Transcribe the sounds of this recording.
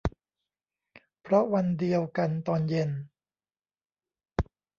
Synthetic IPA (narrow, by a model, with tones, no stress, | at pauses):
pʰɾɔ˦˥wa˧ndi˧əwka˧nt̪ɔː˧nje˧n